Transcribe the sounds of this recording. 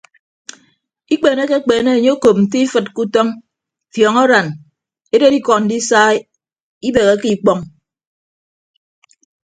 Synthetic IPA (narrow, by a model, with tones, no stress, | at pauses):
i˦k͡peː˨ne˦ke˦k͡peː˨ne˦e˨ɲe˦o˦ko˨p̚n̩˨ti˦i˦fɨ˨t̚ku˦tɔ˦ŋ | fjɔ˨ŋɔ˦ɾa˨n | e˦de˦di˦kɔ˨n̩˨di˦saː˦ | i˦be˨ɣe˨˦ki˦k͡pɔ˦ŋ